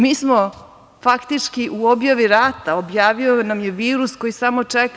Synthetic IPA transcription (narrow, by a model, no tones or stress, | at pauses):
miːsmo | fakt̪it͡ʃkiʔuobjaʋiɾaːt̪aobjaːʋionamjeʋiːɾusko̞jisamo̞t͡ʂek